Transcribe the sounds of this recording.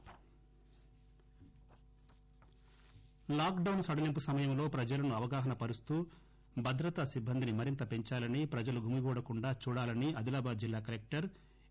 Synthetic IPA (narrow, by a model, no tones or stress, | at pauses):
laːkɖɐwnsɐɽɐlimpusɐmɐjɐmlo̞ːpɾɐd͡ʒɐlɐnuɐʋɐɡaːɦɐnɐpɐɾust̪uː | bʱɐd̪ɾɐt̪ɐsibʱːɐnd̪inimɐɾint̪ɐpe̞ɲt͡ʃaːlɐnipɾɐd͡ʒɐluɡʱumiɡuːɽɐkuɳɖaːt͡ʃuːɽaːlɐniɐd̪ilaːbaːd͡ʒilːaːkɐlek̚ʈɐɾ